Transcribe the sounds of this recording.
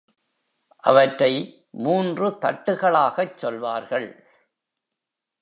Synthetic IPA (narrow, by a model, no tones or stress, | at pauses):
ʔɐ̰ʋɐʈrɐɪ | muːndrɯt̪ɐʈːɯɣɐɭaːɣɐt͡ʃːɔlʋaːɾɣɐɭ